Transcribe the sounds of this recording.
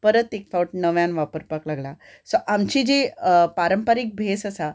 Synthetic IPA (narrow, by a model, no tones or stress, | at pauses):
pəɾət̪ek̚fʰawʈ̚nəʋjãnʋapəɾpaklaɡla | sɔʔamt͡ɕiːd͡ʑepaɾəmpəɾik̚bʱesəsa